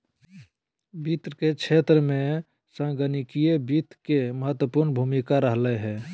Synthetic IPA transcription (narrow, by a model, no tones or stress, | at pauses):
bit̪ɾəket͡ʃʰet̪ɾəmẽ | sə̃ɡənikijebit̪keməɦət̪wəpuɾnbʱumikaɾəɦləɦɛ